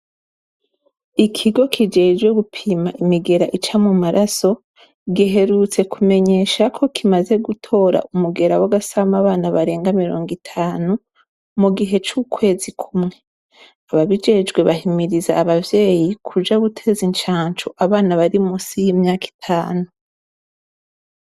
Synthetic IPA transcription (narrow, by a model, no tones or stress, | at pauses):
ikʰiɡo̞kʰid͡ʒe̞ːd͡ʒɡweɡupʰimaʔimiɡe̞ɾaʔit͡ʃamumaɾʔaso̞ | ɡiɦe̞ɾut͡se̞kume̞ɲe̞ːʃakʰo̞kimaze̞ɡutʰo̞ːɾa̰ʔumuɡe̞ɾawaɡasamaβaːnaβaɾe̞ːŋɡamiɾo̞̰ːŋɡitʰaːnu | muɡiɦe̞t͡ʃukʰwe̞ːzikʰumŋe̞ | aβaβid͡ʒe̞ːd͡ʒɡwe̞βaɦimiɾizaːβavje̞ːjikʰud͡ʒaɡutʰe̞ːzint͡ʃaːɲt͡ʃoʔaβaːnaβaɾimusijimɲaːki̥tʰaːnu